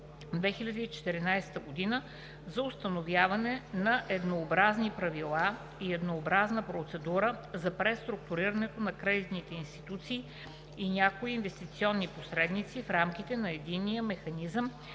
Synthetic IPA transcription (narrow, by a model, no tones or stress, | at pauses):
d̪vɛxilʲəd̪iːt͡ʃɛ̥t̪ɛɾinajsɛ̥t̪əɡod̪inə | zɐʊst̪ɐnovjavɐnɛnɐʔɛd̪noːbɾaznipɾɐvilˠa | iɛd̪noːbɾaznəpɾot̪sɛd̪uɾəzɐpɾɛst̪ɾuk̚t̪uɾiɾənɛt̪onɐkɾɛd̪it̪nit̪ɛinst̪i̥t̪ut̪siː | nʲjakoiːnvɛst̪it̪siɔnːiposɾɛd̪nit̪sifɾamkit̪ɛnɐɛd̪inːijəmɛxɐnizəm